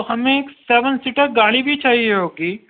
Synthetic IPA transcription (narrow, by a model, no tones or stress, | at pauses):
hɐmẽkseːʋənsiʈəkɡaːɽ̃ibʱit͡ʃaːɦieɦoːɡiː